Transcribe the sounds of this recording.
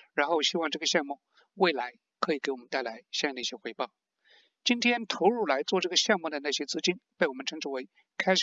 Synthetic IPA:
ɻa˧˥nxo˥˩ʊɕi˥wɑ˥˧ŋʈ͡ʂɤ˥˩ɡə˩ɕjɑ˥˧ŋmu˥˩ | we˥˩ɪla˧˥ɪ | kʰɤ˧˥i˨˩ke˧˥wɔ˨˩mə˦nt̪a˥˩ɪla˧˥ɪɕj̪i˥˩jɛ˥xwe˧˥ɪpɑ˥˩ʊ | t͡ɕi˥nt̪ʰjɛ˥nt̪ʰo˧˥ʊɻu˥˩la˧˥ɪt͡swɔ˥˧ʈ͡ʂɤ˥˩ɡə˩ɕjɑ˥˧ŋmu˥˩d̪ə˩na˥˩ɕjɛ˥t͡sɹ̩˥t͡ɕi˥npe˥˩ɪwɔ˨˩mə˦nʈ͡ʂʰɤ˧˥ŋʈ͡ʂʰu˧˥˩we˧˥ɪ | kʰa˥ɪʂ

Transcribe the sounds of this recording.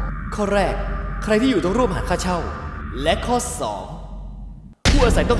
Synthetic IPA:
kʰɔː˥˩ɾɛː˥˩k̚ʰːɾa˧jt̪ʰiː˥˩juː˨˩t̪ɔ˥˩ŋɾu˥˩əmhaː˩˦nkʰaː˥˩t͡ɕʰa˥˩wlɛ˦˥kʰɔː˥˩sɔ̰ː˩˦ŋ | pʰuː˥˩ʔaː˧s̬a˨˦jt̪ɔ˥˩

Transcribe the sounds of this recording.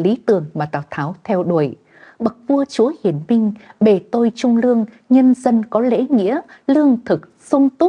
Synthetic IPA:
li˨˦t̪ɨ˨˩əŋmaː˨˩t̪aː˧˩wt̪ʰaː˨˦wt̪ʰɛ˧wɗo˧˩əj | ɓə˨˩k̚vu˧ət͡ɕu˨˦əhi˧˩ənmï˧ŋ̟ɓe˨˩t̪o˧jt͡ɕʊ˧ŋ͡mlɨ˧əŋ | ɲə˧nzə˧nkɔ˨˦lḛ˧˥ŋḭ˧˥əlɨ˧əŋt̪ʰɨ˨˩k̚sʊ˧ŋ͡mt̪ʊ˦˥

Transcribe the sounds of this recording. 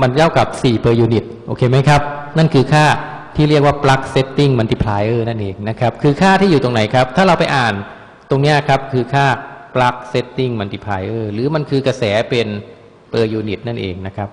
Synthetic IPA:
ma˧nka˥˩wka˨˩p̚siː˨˩pɤː˧juː˧ni˨˩t̪̚ʔoː˧kʰeː˧ma˦˥jkʰa˦˥p̚na˥˩nkʰɯː˧kʰaː˥˩ | t̪ʰiː˥˩ɾi˥˩ək̚waː˥˩pla˦˥k̚se˦˥t̪ːi˥˩ŋma˧nt̪i˧˩pʰlaː˧jʔɤː˧˩na˥˩nʔeː˨˧ŋna˦˥kʰɾa˦˥p̚kʰɯː˧kʰaː˥˩t̪ʰiː˥˩juː˨˩o˧ŋna˩˦jkʰa˦˥p̚t̪ʰaː˥˩ɾa˧wpa˧jʔaː˨˩n | t̪o˧ŋni˦˥ɐ˨kʰa˦˥p̚kʰɯː˧kʰaː˥˩pla˦˥k̚se˦˥t̪ːi˥˩ŋma˧nt̪i˧˩pʰlaː˨˧jʔɤː˧˩ɾɯː˩˦ma˧nkʰɯː˧ka˧sɛː˩˦pe˧n | pɤː˧juː˧ni˨˩t̪̚na˥˩nʔḛː˨˧ŋna˦˥kʰa˦˥p̚

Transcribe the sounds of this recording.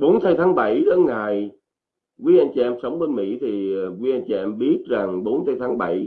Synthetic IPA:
ɓo˨˦nt̪ʰə˧jt̪ʰaː˨˦ŋɓə˧˩jɗə˨˦ŋaː˨˩j | ki˨˦ʔa˧jŋ̟t͡ɕi˧˨ɛ˧msə˨˦wŋ͡mɓe˨˦nmḭ˧˥t̪ʰi˨˩˨kwi˨˦ʔa˧jŋt͡ɕi˧ʔɛ˧mɓi˦˥ət̚za˨˩ŋɓo˨˦nt̪ʰə˨˧jt̪ʰaː˨˦ŋɓə˧˩j

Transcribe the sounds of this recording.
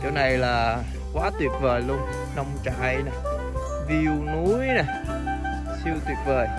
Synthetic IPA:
t͡ɕə˨˦na˨˩jlaː˨˩ | kwaː˨˦t̪wi˨˩ət̚vəː˨˩jlu˧ən | nə˧wŋ͡mt͡ɕa̰ː˧jna˨˩ | vi˧wnu˨˦jna˨˩ | si˧əwt̪wi˨˩ət̚vəː˨˩j

